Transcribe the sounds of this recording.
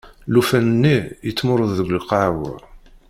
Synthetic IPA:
lufænənːijət͡sːmʊɾˤəððəɡʷlqɑʕw

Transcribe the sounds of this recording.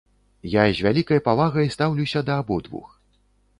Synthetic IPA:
jazʲvʲalʲikɐjɐpavaɣɐjst̪awlʲuwsʲɐd̪ɐːbɔd̪vṵx

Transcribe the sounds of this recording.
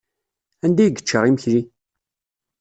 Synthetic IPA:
ænd̪æjɡə̥t͡ʃːəɾˤiməçli

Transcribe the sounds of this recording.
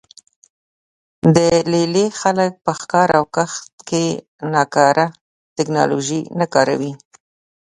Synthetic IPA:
d̪əlelexalək̚pəxkɑɾawkaxt̪ke | nɑkɑɾʔa | t̪ɪknɑ̰lo̰ʒinakɑɾa̰wi

